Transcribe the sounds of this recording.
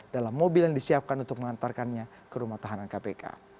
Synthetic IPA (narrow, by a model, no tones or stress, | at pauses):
dalamːobiljaŋdisiap̚kanunt̪ʊk̚məŋant̪arkanɲa | kəɾumaht̪aɦanankapeka̰